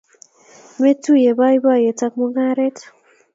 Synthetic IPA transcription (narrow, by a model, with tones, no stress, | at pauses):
me˦tu˦je˨ba˦jba˦je˨ta˦k̚mɔ˦ŋa˦ɾe˦t